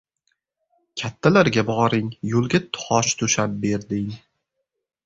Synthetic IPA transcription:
kʲʰat̪ʰːalaɾɡʲabɒɾɪŋjolˠɡʲat̪ʰʊ̥hɒʃt̪ʰʊʃap̚be̞ɾd̪ɪŋ

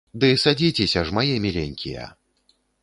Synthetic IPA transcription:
d̪ɨsad͡zʲit͡sʲesʲɐʐmajɛmʲilʲeŋʲkʲijɐ̰

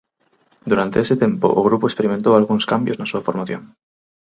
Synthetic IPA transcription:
d̪uɾant̪eeset̪je̞mpo̰ʔoɣ̞ɾupoespe̞ɾiment̪oalɣ̞unskambjoznasuafo̞ɾmaθjon

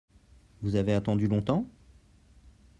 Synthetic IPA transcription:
vuzaveat̪ɑ̃d̪ylɔ̃t̪ɑ̃

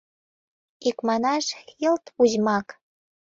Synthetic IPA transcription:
ikmɑnɑʃkelt̪uʑmɑk

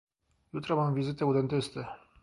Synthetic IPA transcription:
jut̪ɾamamvizit̪eud̪ent̪ist̪e

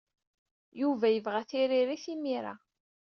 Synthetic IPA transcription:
juvæjəvʁæθiɾiɾiθimiɾa̰

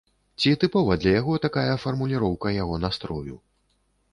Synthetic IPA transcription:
t͡sʲit̪ɨpɔvɐd̪lʲɐjaɣɔt̪akajɐfɐrmulʲiɾɔwkɐjaɣɔnast̪ɾɔjṵ

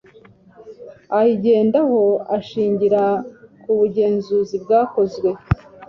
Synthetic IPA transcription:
ajiɟe̞ːndaho̞aʃiːɲɟiɾakuβuɟe̞ːnzuzibɡaːko̞zɡwe̞

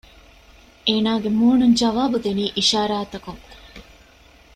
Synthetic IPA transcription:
ʔeːnaːɡemuːnuɲd͡ʒɐʋaːbud̪eniːʔiʃaːɾaːt̪ɐkuŋ

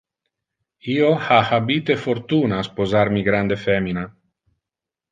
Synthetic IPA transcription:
iohahabit̪efoɾt̪unaspozaɾmiɡɾand̪efɛmina

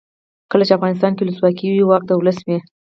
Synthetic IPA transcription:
kəlat͡ʃeafɣɑnɪst̪ɑnkewuləswɑkiwiwɑk̚d̪əwləsme

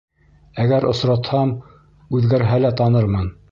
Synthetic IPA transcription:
æɡæɾʔŏsɾɑt̪hɑm | ʉðɡæɾɦælæt̪ɑnɤɾmɤn

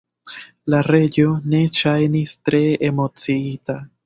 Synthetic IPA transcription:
laɾe̞ɟo̞ne̞ʃajnistɾe̞emo̞t͡siita

